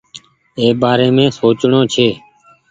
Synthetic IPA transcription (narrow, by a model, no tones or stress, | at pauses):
eːbaːɾeːmẽːsoːt͡ʃɳoːt͡ʃʰeː